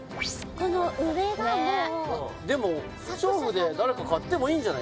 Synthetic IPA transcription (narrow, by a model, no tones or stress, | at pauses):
konoɯ̟βeɡamod̪e̞mo | ɸɯ̥t͡ɕoːɸɯ̟d̪e̞d̪aɾe̞kakat̪ːe̞mo̞iːɲd͡ʑana